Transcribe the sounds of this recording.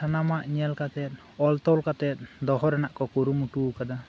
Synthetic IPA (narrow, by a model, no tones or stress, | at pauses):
anamaʔɲialkat̪ɛt̪̚ | ɔlt̪ɔwlkat̪ɛt̪̚d̪ɔɦɔɾɛnaʔkɔkoɾumuʈukad̪a